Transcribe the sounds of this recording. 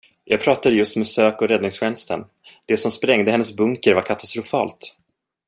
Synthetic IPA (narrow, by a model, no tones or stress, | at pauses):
jʔɑ̰ːɡ̚pʰɾɑːt̪ad̪əjɵst̪mɛsøːkɔɾɛd̪nɪŋsɧɛnst̪ə̰n | d̪̥ɛsɔmspɾɛŋd̪əhɛnːəsbɵŋkəɾvaɾkʰat̪ast̪ɾʊfɑ̰ːlt̪